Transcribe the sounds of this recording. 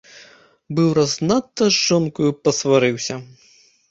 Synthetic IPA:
bɨwɾɐznat̪ːɐzʐɔnkujupɐsvaɾɨwsʲɐ

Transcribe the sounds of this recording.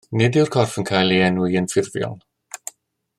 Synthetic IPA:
nɪdɪwrkʰɔrfənkʰaːjlˠiɛnwɨənfɪrðjɔ̰lˠ

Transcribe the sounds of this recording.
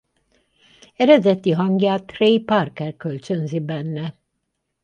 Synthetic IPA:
ɛɾɛd̪ɛt̪iɦɑŋɡjaːt̪ɾejpaɾkɛɾkʲø̞lʲt͡ʃønzibɛnːɛ

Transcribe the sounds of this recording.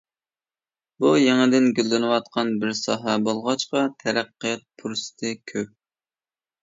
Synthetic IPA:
bujeŋɪd̪ɪnɡʲølːɪnɪwɑt̪̚qʰɑnbɪɾsɑ̰ːɦɛbolˠʁɑt͡ʃqɑt̪ʰɛɾæqːɨjɛt̪̚pʰuɾsɨ̥t̪ʰɨkʲʰøp̚

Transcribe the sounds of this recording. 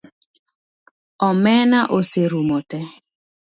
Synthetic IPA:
ɔmɛnaʔoseɾumotɛ

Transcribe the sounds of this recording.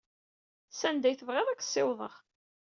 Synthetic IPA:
sænd̪æjθəvʁɪðˤæksˤːɪwðˤə̰ʁ

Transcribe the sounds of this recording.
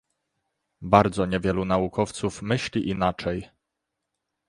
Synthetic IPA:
baɾd̪zɔɲɛvʲjɛlunaukʰɔft̪sufmɘɕlʲiʔinat͡ʂɛj

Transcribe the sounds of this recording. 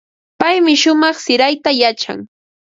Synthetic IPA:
pajmɪʃʊmɑχsɪɾajt̪ajat͡ʃa̰ŋ

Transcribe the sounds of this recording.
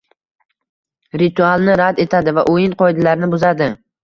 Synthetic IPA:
ɾit̪ʰualˠnɪɾad̪e̞t̪ʰad̪ɪvaʔojɪnqʰɒjd̪alaɾnɪbʊzad̪ɪ

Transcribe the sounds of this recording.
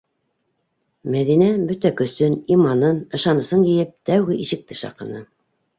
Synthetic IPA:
mæðinæbɵt̪ækɵ̆sɵnimɑnɤnɤ̆ʃɑnɤ̆sɤnjɘ̆jɘp̚t̪æwɣɘʔiʃɘ̆k̚t̪ɘʃɑ̰qɤ̆nɤ

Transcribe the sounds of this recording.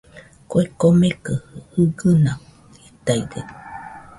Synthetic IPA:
koekomekɯhɯɡɯna | it̪aiɡe

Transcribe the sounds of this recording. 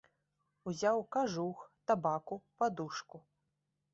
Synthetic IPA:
uzʲawkaʐuxt̪abakupad̪uʂku

